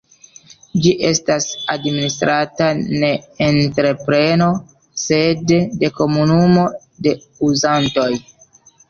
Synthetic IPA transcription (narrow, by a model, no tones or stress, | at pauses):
d͡ʒiʔe̞stasadministɾatane̞ːntɾe̞pɾe̞no̞ | se̞dːe̞ko̞munumo̞ | de̞ | uzanto̞j